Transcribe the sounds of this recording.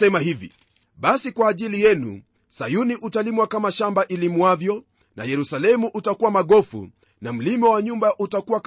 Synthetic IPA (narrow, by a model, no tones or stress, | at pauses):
ɛmahivḭ | ɓasikwaːʄilijɛnṵ | sajuniʔutalimwakamaʃambaʔilimwavjɔ | na̰jɛɾusalɛmuʔutakuwamaɠɔfṵ | nam̩limɔwaɲumbaʔutakuwak